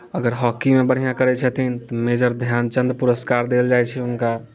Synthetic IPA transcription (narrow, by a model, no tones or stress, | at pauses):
əɡəɾɦɔkimebəɽ̤ijãkəɾɛt͡ʃʰət̪int̪ɔmed͡ʒəɾd̪ʱjant͡ʃənd̪puɾəskaɾd̪eld͡ʒajt͡ʃʰɛʊnka